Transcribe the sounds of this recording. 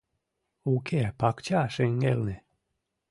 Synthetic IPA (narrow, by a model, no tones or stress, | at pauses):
ukepɑkt͡ɕaʃeŋɡelne